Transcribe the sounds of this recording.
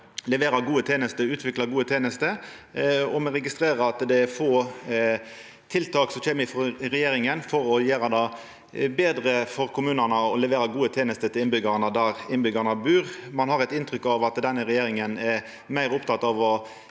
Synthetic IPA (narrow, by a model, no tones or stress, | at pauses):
lɛʋeːɾɑɡuːət̪ʰeːnəst̪əʉːt̪ʰʋɪklɑɡuːət̪ʰeːnəst̪ə | ɔmɛɾɛɡɪst̪ɾeːɾəɑt̪d̪ɛfoː | t̪ʰɪlt̪ʰɑːksɔçeːmɪfɔʁɛjeːɾɪŋənfɔɾɔjeːɾɑd̪ɑ | beːd̪ɾəfɔɾkʰʊmʉːnənəɔlɛʋeːɾɑɡuːət̪ʰeːnəst̪ət̪ʰɪlɪnbʏɡɑʁnəd̪æɾɪnbʏɡɑnəbʉːʁmɑnhɑʁɛɪt̪ɪnt̪ɾʏkːɑʋɑt̪d̪ɛnːəɾɛjeːɾɪŋənɛ | mæɪʁʊpt̪ʰɑt̪ːɑːʋɔ